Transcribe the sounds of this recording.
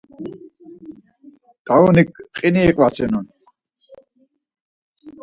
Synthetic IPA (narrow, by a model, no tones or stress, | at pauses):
d̪aunikqʼiniːqʼwasɛnun